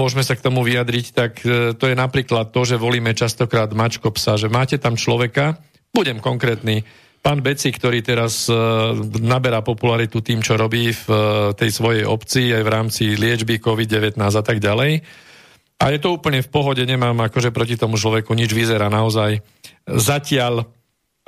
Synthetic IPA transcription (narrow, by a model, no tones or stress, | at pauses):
ʊɔʒmɛsakt̪ɔmuʋiad̪ɾict̪akt̪ɔjɛnapɾiːklat̪ːɔʒɛʋɔliːmɛt͡ʃast̪ɔkɾaːd̪mat͡ʃkɔpsaʒɛmaːcɛt̪amt͡ʃlɔʋɛka | b̥uɟɛmkɔŋkɾɛːt̪niː | paːnbɛt͡sikt̪ɔɾiːt̪ɛɾaz | nabɛɾapɔpulaɾit̪ut̪iːmt͡ʃɔɾɔbiːft̪ɛjsʋɔjɛjɔ̰pt͡siːajʋɾaːmt͡silɪɛd͡ʒbikɔʋid̪̚ɟɛʋɛt̪naːzat̪aɡɟalɛj | ajɛt̪ɔuːpl̩ɲɛfpɔɦɔɟɛɲɛmaːmakɔʒɛpɾɔcit̪ɔmut͡ʃlɔʋɛkuɲid͡ʒʋizɛɾaːnaɔzaj | zacɪaʎ